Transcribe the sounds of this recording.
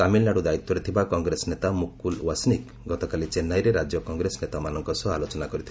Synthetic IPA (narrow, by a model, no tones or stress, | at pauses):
amilnaɽud̪ait̪ːɔɾet̪ʰibakɔŋɡɾesnet̪amukulwasnik | ɡɔt̪ɔkalit͡ʃenajɾeɾad͡ʒjɔkɔŋɡɾesnet̪amanɔŋkɔsɔalot͡ʃɔnakɔɾit̪ʰib